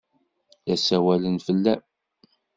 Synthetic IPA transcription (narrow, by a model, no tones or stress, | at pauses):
jæsæwælənfəlːæ